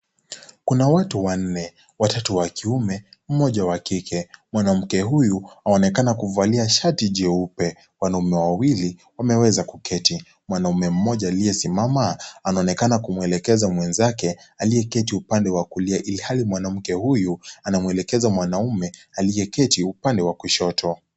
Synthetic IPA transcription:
kunawatuwan̩nɛ | watatuwakiumɛm̩mɔʄawakikʰɛmwanam̩kɛɦujuaɔnɛkanakuvaliaʃatiʄɛupɛ | wanaumɛwawili | wamɛwɛzakukɛti | mwanaumɛm̩mɔʄaːlijɛsimamaanaɔnɛkanakumuɛlɛkɛzamwɛnzakɛ | alijɛkɛtiupandɛwakuliaʔilihalimwanam̩kɛhujuanamwɛlɛkɛzamwanaumɛalijɛkɛtiupandɛwakuʃɔtʰɔ

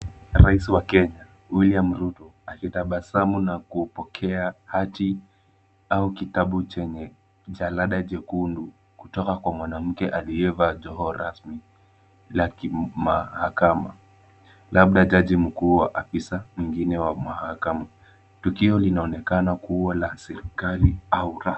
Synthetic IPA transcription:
ɾaisiwakɛɲa | wiliam̩ɾutɔakitaɓasamunakupɔkʰɛahati | aukitaɓut͡ʃɛɲɛ | ʄalaɗad͡ʒɛkundu | kutɔkakwamwanam̩kɛʔaliɛvad͡ʒɔɦɔɾasmi | lakimahakama̰ | laɓ̚ɗad͡ʒaʄim̩kuːwaʔafisamiŋɡinɛwamahakama | tukiɔlinaɔnɛkanakuwalasɛɾikaliauɾa

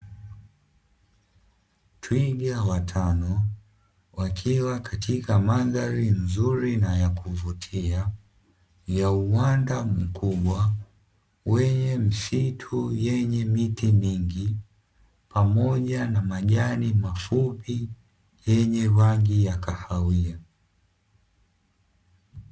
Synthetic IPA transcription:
twiɡawatʰanɔ | wakʰiwakatikamaɡaɾin̩zuɾinajakuvutʰia | jauwandam̩kuɓwa | wɛɲɛm̩sitʰujɛɲɛmitimiŋɡi | pamɔʄanamaʄanimafupi | jɛɲɛwaŋɡijakahawia

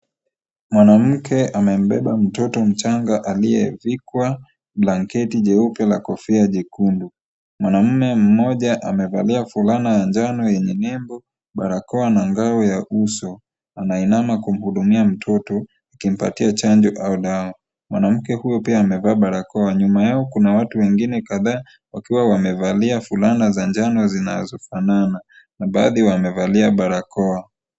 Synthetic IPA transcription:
mwanam̩kʰɛʔamɛm̩ɓɛɓam̩tɔtɔm̩t͡ʃaŋɡaʔalijɛ̰vikwa | blaŋkɛtiʄɛupjalakɔfiaʄikundu | mwanam̩mɛm̩mɔʄaʔamɛva̰liafulanajand͡ʒanɔjɛɲɛnɛmbɔ | ɓaɾakɔanaŋɡaɔjaʔusɔ | anainamakum̩huɗumiam̩tʰɔtɔ | akim̩pa̰tiat͡ʃand͡ʒɔʔaɔɗaɔ | mwa̰nam̩kɛhujɔpiaːmɛvaːɓaɾakɔaɲumajaɔkunawatuwɛŋɡinɛkaðaː | wakiwawamɛvaliafulanazaɲd͡ʒanɔzina̰zɔfanana | naɓaːðiwamɛvaliaɓaɾakɔa

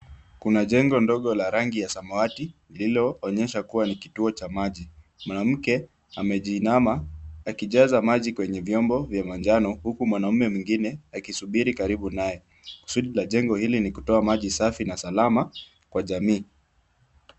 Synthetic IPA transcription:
kunaʄɛŋɡɔndɔɠɔlaɾaŋɡijasamaatinililɔːɲɛʃakuwanikituɔt͡ʃamaʄi | mwanam̩kɛ | amɛʄinamaakiʄazamaʄikwɛɲɛvjɔmbɔvjamand͡ʒanɔhukumwanaumɛmwiŋɡinɛakisuɓiɾikaɾiɓunajɛ | ku̥suɗilaʄɛŋɡɔhilinikutɔamaʄisafinasalama | kwaʄamiː

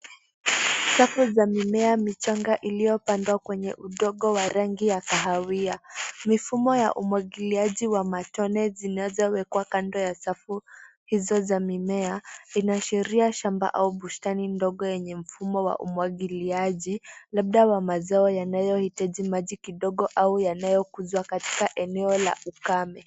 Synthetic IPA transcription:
safuzamimɛamit͡ʃaŋɡaʔilijɔpandwakwɛɲɛʔuɗɔɠɔwaɾaŋɡijakaɦawiamifumɔja̰ʔumwaɠiliaʄiwamatɔnɛzinazɔwɛkwakandɔjasafu | hizɔzamimɛainaʃɛɾiaʃamba̰ʔauɓustanindɔɠɔjɛɲɛm̩fumɔwa̰ʔṵmwaɠiliaʄilaɓ̚ɗawamazaɔjanajɔhitaʄimaʄikiɗɔɠɔʔaujanajɔkuzwakati̥kaʔɛnɛɔla̰ukamɛ

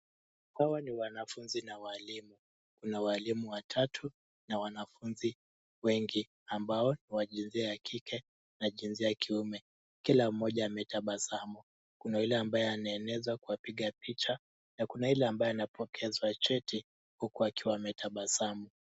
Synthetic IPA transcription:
hawaniwanafunzinawalimu | kunawalimuwatʰatʰu | nawanafunzi | wɛŋɡi | ambaɔniwaʄinziajakʰikʰɛ | naʄinziakʰiumɛ | kilam̩mːɔʄajamɛtaɓasamu | kunailɛambajɔanaɛnɛzwakuwapiɠapit͡ʃa | nakunailɛambajɔanapʰɔkʰɛzwat͡ʃɛtʰi | hukuakiwamɛtʰaɓasamu

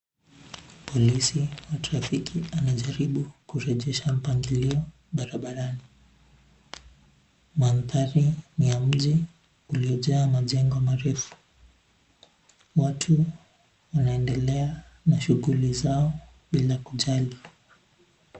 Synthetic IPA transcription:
pʰɔlisiwatɾafikʰianaʄaɾiɓukuɾɛʄɛʃam̩paŋɡiliɔ | ɓaɾaɓaɾani | manθaɾinijam̩ʄi | uliɔʄaːmaʄɛŋɡɔmaɾɛfu̥ | watʰu | wanaɛndɛlɛa | naʃuɣulizaɔ | ɓilakuʄali

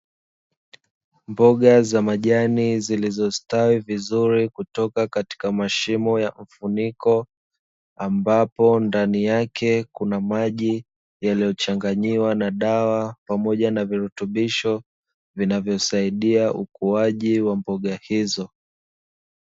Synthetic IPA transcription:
mbɔɠazamaʄanizilizɔstawivizuɾikutɔkakati̥kamaʃimɔjaɱ̩funikɔ | ambapɔndanijakʰɛkunamaʄi | jalijɔt͡ʃaŋɡaɲiwanaɗawapamɔʄanaviɾutuɓiʃɔ | vinavjɔsaiɗiaʔukuaʄiwambɔɠahizɔ

